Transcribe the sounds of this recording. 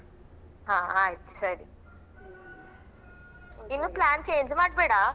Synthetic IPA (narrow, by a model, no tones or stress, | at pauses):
ɦãaɦet̪səɾi | inːuplænt͡ɕeɲd͡ʑʋaʈbeɽa